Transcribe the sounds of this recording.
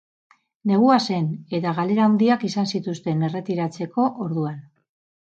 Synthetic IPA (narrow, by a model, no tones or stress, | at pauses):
ne̞ɣ̞uase̞ne̞t̪aɣale̞ɾawnd̪iakisansit̪ust̪e̞ne̞re̞t̪iɾat͡se̞ko̞ʔoɾðuan